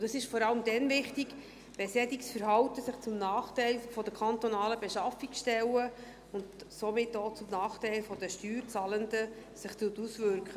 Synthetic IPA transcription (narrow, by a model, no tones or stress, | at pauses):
d̥ɑsɪʃfɔɾɑləmd̪ɛnvɪχtiɡ | b̥ɛsɛdiksfəɾɦɑwt̪əsɪχt͡sʊmnɑːχtɛɪlfɔd̪əkʰχɑnt̪ɔnɑːləbeʃɑfiksʃtɛlə | ʊndsomɪtːoːt͡sʊmnɑːχtɛɪlfɔdəʃtyːɾt͡sɑːlənd̪ə | sɪχtutusvʏɾkχə